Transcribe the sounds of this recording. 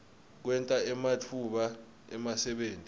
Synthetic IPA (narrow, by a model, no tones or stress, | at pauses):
k̬wɛntʼaɛmat͡fʰuɓa | ɛmasɛɓeːntʼi